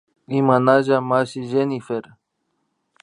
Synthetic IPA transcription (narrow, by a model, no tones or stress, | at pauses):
imanaʒamaʃiʒenifeɾ